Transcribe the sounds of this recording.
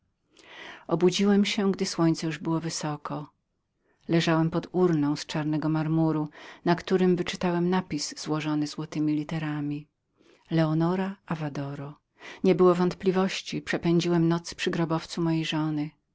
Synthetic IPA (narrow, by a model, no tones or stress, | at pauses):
ɔbud͡ʑiwɛmɕɛɡd̪ɘswɔɲt̪sɛjuʐbɘwɔvɘsɔkɔ | lɛʐawɛmpɔd̪uɾnɔ̃w̃st͡ʂaɾnɛɡɔmaɾmuɾunakt̪uɾɘmvɘt͡ʂɘt̪awɛmnapʲisz̥wɔʐɔnɘzwɔt̪ɘmʲilʲit̪ɛɾamʲi | lɛɔnɔɾaʔavad̪ɔɾɔ | ɲɛbɘwɔvɔnt̪plʲivɔɕt͡ɕipʂɛpɛɲd͡ʑiwɛmnɔt̪spʂɘɡɾɔbɔft̪sumɔjejʐɔnɘ